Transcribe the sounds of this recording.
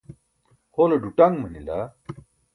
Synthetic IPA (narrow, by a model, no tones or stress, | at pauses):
hoːloɖuʈaŋmɐnila̰